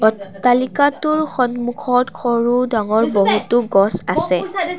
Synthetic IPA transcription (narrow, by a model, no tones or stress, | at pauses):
ɔalikatʊɹxɔnmukʰɔtkʰɔɹudaŋɔɹbɔɦutʊɡɔsasɛ